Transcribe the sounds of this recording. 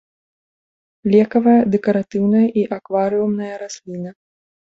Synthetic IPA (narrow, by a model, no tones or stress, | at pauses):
lʲɛkɐvɐjɐd̪ɛkɐɾat̪ɨwnɐjɐʔiʔakvaɾɨumnɐjɐɾasʲlʲinɐ